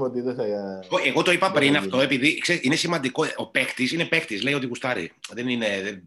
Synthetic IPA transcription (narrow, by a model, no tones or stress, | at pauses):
fot̪iðɐsɐjɐeɣoeɣo̞t̪o̞ipɐpɾinɐft̪o̞epiðikseiinesimɐnd̪iko̞opekt̪isine̞pekt̪isleio̞t̪̬iɣust̪ɐɾḭðenine̞ðe